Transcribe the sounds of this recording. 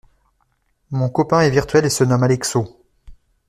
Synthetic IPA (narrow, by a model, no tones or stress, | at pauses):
mɔ̃kɔpɛ̃ɛviʁt̪ɥɛlesənɔmalɛkso